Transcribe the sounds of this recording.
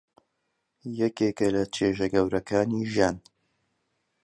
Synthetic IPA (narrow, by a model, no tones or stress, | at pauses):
jɛkekɐlɐt͡ʃʰeːʒɐɡɐwɾɐkʰaːniʒjaːn